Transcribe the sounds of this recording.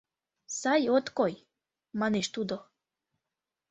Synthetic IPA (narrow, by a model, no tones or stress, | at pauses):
sɑjot̪koj | mɑneʃt̪ud̪o